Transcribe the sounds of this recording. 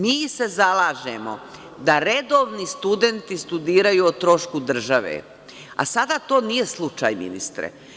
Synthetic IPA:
miːse̞zalˠaːʒemo̰ | d̪aɾed̪o̞ːʋnist̪ud̪e̞nt̪ist̪ud̪iːɾajuot̪ɾo̞ʃkud̪r̩ʒaʋḛ | a̰sad̪at̪o̞ːnije̞slˠut͡ʃa̰ːjmḭnḭst̪ɾḛ

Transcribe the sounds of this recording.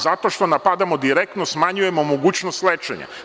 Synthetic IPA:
zat̪o̞ʃt̪o̞napad̪amo̞d̪iɾek̚t̪nosmaɲuje̞momoɡuːt͡ɕnost̪let͡ʃḛɲa̰

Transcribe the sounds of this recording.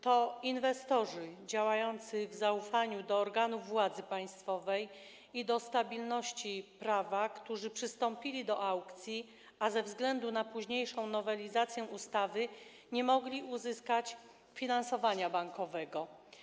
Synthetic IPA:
t̪ɔinvɛst̪ɔʐɘd͡ʑawajɔnt̪sɘvzaufaɲud̪ɔːɾɡanuvːwad̪zɘpaj̃st̪fɔvɛj | id̪ɔst̪abʲilnɔɕt͡ɕipɾavakt̪uʐɘpʂɘst̪ɔmpʲilʲid̪ɔʔawkt̪sʲji | azɛvzɡlɛnd̪unapuʑɲejʂɔ̃w̃nɔvɛlʲizat̪sʲjɛ̃ust̪avɘ | ɲɛmɔɡlʲiuzɘskat͡ɕ | fʲinansɔvaɲabaŋkɔvɛɡɔ

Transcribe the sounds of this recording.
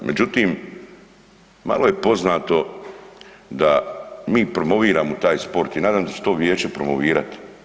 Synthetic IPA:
mʔe̞d͡ʑut̪iːm | ma̰lo̞je̞po̞znaːt̪o̞ | d̪amiːpɾo̞mo̞ʋiːɾaːmot̪aːjspo̞ɾt̪inaːd̪aːmd̪at͡ʃet̪o̞ːʋjeːt͡ʃe̞pɾo̞moʋiːɾat̪i̥

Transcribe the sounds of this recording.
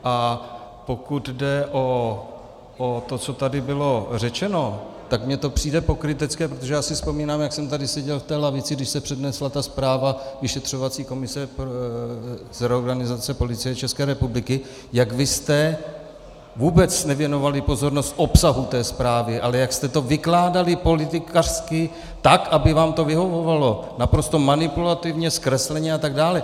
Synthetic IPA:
ʔa | po̞kud̪dɛʔo | ot̪o̞t͡so̞t̪adɪbɪlo̞r̝ɛt͡ʃɛno̞t̪akmɲɛt̪o̞pr̝̥iːdɛpo̞kɾɪt̪ɛt͡skɛːpɾot̪oʒɛjaːsɪspo̞miːnaːmjaksɛmt̪adɪsɛɟɛlft̪ɛːlavɪt͡sɪɡdɪʃsɛpr̥ɛdnɛslat̪aspɾaːvavɪʃɛt̪r̝̥o̞vat͡siːko̞mɪsɛp | zɾɛoɾɡanɪzat͡sɛpo̞lɪt͡sɪjɛt͡ʃɛskɛːɾɛpublɪkɪ | jaɡvɪst̪ɛ | vuːbɛt͡snɛvjɛno̞valɪpo̞zo̞ɾno̞st̪ʔo̞psaɦut̪ɛːspɾaːvɪʔalɛjakst̪ɛt̪o̞vɪklaːdalɪpo̞lɪt̪ɪkar̥skɪ | t̪akʔabɪvaːmt̪o̞vɪɦo̞vo̞valo̞napɾo̞st̪o̞manɪpulat̪ɪvɲɛskɾɛslɛɲɛat̪aɡdaːlɛ

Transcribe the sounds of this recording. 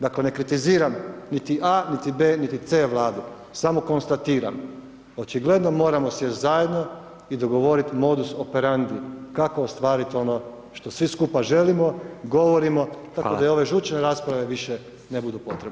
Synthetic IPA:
d̪akle̞ne̞kɾit̪iziːɾamnit̪iʔanit̪ibe̞ːnit̪it̪seːʋlˠaːd̪u | samo̞ko̞nst̪at̪iːɾa̰m | ot͡ʃiɡle̞d̪no̞mo̞ːɾamo̞sjezaje̞d̪no̞ | id̪o̞ɡo̞ʋo̞ɾit̪mo̞d̪usope̞ɾand̪ikako̞ost̪ʋaːɾit̪o̞no̞ | ʃt̪o̞sʋiskupaʒe̞limo̞ɡo̞ʋo̞ɾimo̞t̪akod̪ajo̞ʋe̞ʒuːt͡ʃne̞ɾaspɾaʋe̞ʋiʃe | nebud̪upo̞t̪ɾebn

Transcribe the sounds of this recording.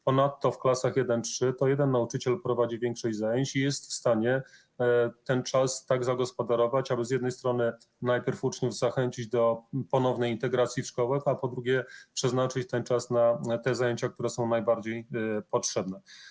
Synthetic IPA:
pɔnat̪ːɔfklasaxjɛd̪ɛntʂɘt̪ɔjɛd̪ɛnːaut͡ʂɘt͡ɕɛlpɾɔvad͡ʑivʲjɛŋkʂɛʑzajeɲt͡ɕijɛst̪fst̪aɲɛ | t̪ɛnt͡ʂast̪aɡzaɡɔspɔd̪aɾɔvat͡ɕabɘzʲjɛd̪nɛjst̪ɾɔnɘ | najpʲjɛɾfut͡ʂɲuvzaxɛɲt͡ɕid͡ʑd̪ɔpɔnɔvnɛjint̪ɛɡɾat̪sʲjiʂkɔwɛkapɔd̪ɾuɡʲjɛpʂɛznat͡ʂɘt͡ɕt̪ɛnt͡ʂasnat̪ɛzajeɲt͡ɕak̚t̪uɾɛsɔ̃w̃najbaɾd͡ʑejpɔtʂɛbnɛ

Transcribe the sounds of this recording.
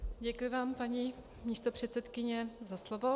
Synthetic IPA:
ɟɛkʊjɪvaːmpaɲi | mɲiːst̪opr̝̥ɛt̪sɛt̪kɪɲɛzaslovo̞

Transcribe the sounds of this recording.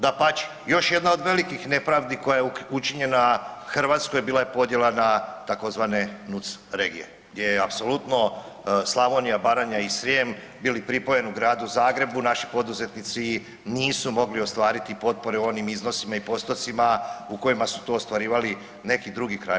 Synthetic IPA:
d̪apat͡ʃi̥ | jo̞ʃje̞d̪nao̞d̪ʋe̞likixne̞pɾaʋd̪iko̞jajeut͡ʃiɲe̞naxrʋaːt̪skojbiːlˠajepo̞d̪je̞lanat̪ako̞zʋane̞nut̪sɾe̞ɡije̞̰ | ɡd̪jejeapso̞lˠut̪no̞ | slˠamonijabaɾaɲaisɾjem | biːlipɾipo̞je̞nuɡɾaːd̪uzaːɡɾe̞bunaʃi̥po̞d̪uze̞t̪nit̪si | niːsumo̞ɡlio̞st̪ʋaːɾit̪ipo̞t̪̚po̞ɾeuo̞nimizno̞simaipo̞st̪o̞t̪simauko̞jimasu̥t̪o̞ːst̪ʋaɾiːʋali | ne̞kid̪ɾuɡikɾa̰

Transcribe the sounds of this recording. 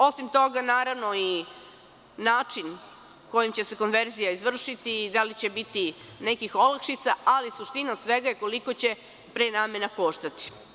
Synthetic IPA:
o̞simt̪o̞ɡanaːɾaʋno̞i | naːt͡ʂin | ko̞jimt͡ɕe̞se̞ko̞nʋe̞ɾzijaizʋr̩ʃit̪id̪alit͡ɕe̞bit̪ine̞kixo̞lakʃit̪saalisuʃt̪inasʋe̞ɡajekoliko̞t͡ɕe̞ | pɾenaːmenapoːʃt̪at̪i̥

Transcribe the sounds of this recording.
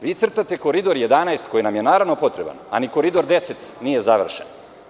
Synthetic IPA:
ʋiːt̪sr̩t̪at̪e̞ko̞ɾid̪o̞ɾje̞d̪anajst̪ko̞jinamjenaːɾaʋno̞po̞t̪ɾeba̰na̰niko̞ɾid̪o̞ɾd̪e̞se̞t̪nije̞zaʋr̩ʃen

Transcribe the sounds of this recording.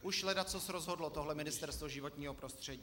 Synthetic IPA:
ʔuʃlɛdat͡sosɾozɦodlot̪oɦlɛmɪnɪst̪ɛɾst̪voʒɪvot̪ɲiːɦopɾost̪r̝̥ɛɟi

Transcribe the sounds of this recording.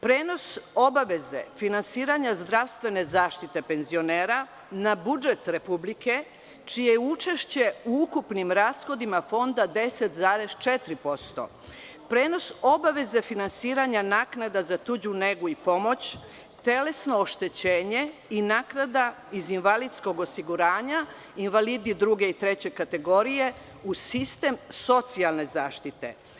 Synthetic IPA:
pɾeːno̞so̞baʋezḛfinansiːɾaɲazd̪ɾaʋst̪ʋe̞ne̞zaːʃt̪it̪e̞pe̞nzio̞neːɾa | nabud͡ʒe̞t̪ɾe̞publike̞ | t͡ʃijejeut͡ʃeʃt͡ɕe̞uukupnimɾaːsxo̞d̪imafo̞nd̪ad̪e̞set̪zaːɾe̞st͡ʃet̪ɾipo̞st̪o̞̰ | pɾe̞ːno̞so̞baʋe̞zefinansiːɾaɲanaːknad̪azat̪ud͡ʑune̞ɡuipo̞mo̞t͡ɕ | t̪e̞le̞sno̞ːʃt̪e̞t͡ɕeːɲeinaːknad̪a | izinʋalit̪sko̞ɡosiɡuɾaːɲa | inʋalid̪id̪ɾuɡe̞it̪ɾe̞t͡ɕe̞kat̪e̞ɡo̞ɾije̞ | usist̪e̞mso̞t̪sialˠne̞zaːʃt̪it̪e̞̰

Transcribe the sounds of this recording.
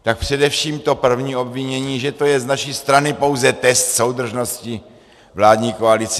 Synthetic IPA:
t̪ak̚pr̝̥ɛdɛfʃiːmt̪o̞pr̩vɲiːo̞bvɪɲɛɲiːʒɛt̪o̞jɛznaʃiːst̪ɾanɪpo̞wzɛt̪ɛst̪so̞wd̪r̩ʒno̞scɪ | vlaːdɲiːko̞alɪt͡sɛ

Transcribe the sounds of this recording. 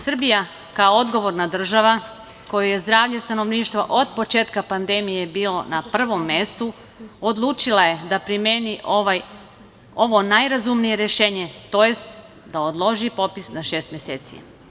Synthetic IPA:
sr̩bija | kaood̪ɡo̞ʋo̞ɾnad̪r̩ʒaʋa | ko̞juje̞zd̪ɾaːʋʎest̪ano̞ʋniːʃt̪ʋa̰ʔo̞d̪̚po̞t͡ʃeːt̪kapand̪e̞mije̞biːlo̞̰napr̩ʋo̞mːe̞st̪u | od̪lˠuːt͡ʃilaje̞d̪apɾimjeniʔoʋaj | oʋo̞najɾazumnijeɾeʃeːɲe̞t̪o̞jest̪ | d̪aod̪lˠo̞ʒipo̞pisnaʃe̞ːst̪mjeseːt̪sḭ

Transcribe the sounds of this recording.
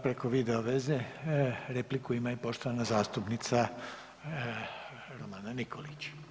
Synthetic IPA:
pɾeko̞ʋid̪e̞oʋe̞zeɾe̞plikuimaipo̞ʃt̪oʋanazaːst̪upnit̪sa | ɾomaːnanikʰo̞lit͡ɕ

